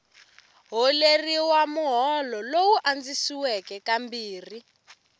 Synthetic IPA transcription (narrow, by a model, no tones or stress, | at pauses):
ɦɔleriwamuɦɔlɔlowuʔand͡zisiwɛkɛkambiːri